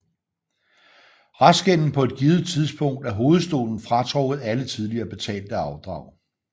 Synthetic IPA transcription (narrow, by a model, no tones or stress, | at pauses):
ʁɑsɡ̥en̰n̩pʰɒ̽e̝d̥̚ɡ̥iːð̩ˠt͡sʰið̞ˠsb̥ɔ̽ŋ̰d̥æɐɦo̝ːð̞̩ˠsd̥o̝̰ːln̩fʁɑ̈t͡sʰʁɔɡ̥ð̩ˠælət͡sʰið̞ˠliɐːb̥e̝t͡sʰɛ̰ːld̥əɑ̈ʊd̥ʁɑ̈ʊ̰